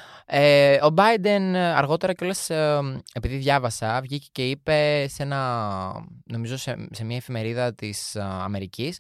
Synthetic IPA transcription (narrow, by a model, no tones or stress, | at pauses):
eo̞bɐjd̪e̞nɐ̰ɾɣo̞t̪e̞ɾɐceo̞lɐse̞piðiðʝɐvɐsɐvʝicece̞ipe̞se̞nɐ | no̞mizo̞sese̞mɲɐefime̞ɾiðɐt̪isɐ̰me̞ɾicis